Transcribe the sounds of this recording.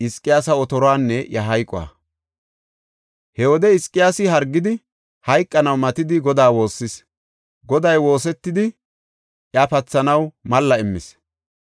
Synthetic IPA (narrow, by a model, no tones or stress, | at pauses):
ɪskʼːɪjaːsɐɔt̪ɔɾɔaːnːɛʔjɐɦɐjkʼːɔwa̰ː | hɛwɔd̪ɛɪskʼːɪjaːsɪɦɐɾɡːɪd̪ɪ | hɐjkʼːɐnɐwmɐt̪ɪd̪ɪɡɔd̪aːwo̞ːsːɪs | ɡɔd̪ɐjwo̞ːs̬ɛt̪ːɪd̪ɪ | ʔjɐpɐt͡sːɐnɐwmɐlːɐɪmːɪs